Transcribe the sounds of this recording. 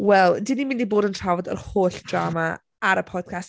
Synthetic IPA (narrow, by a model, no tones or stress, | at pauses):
wɛlˠdɪnimɪ̃ndiboːdəntʰrawɔdə̰rhoːɬd̥rama | aɾəpʰɔd̥kʰas